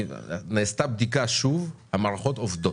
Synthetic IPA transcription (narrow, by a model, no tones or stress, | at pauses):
neːst̪abd̪ikaʃuvhamaʁaχo̞t̪ovd̪o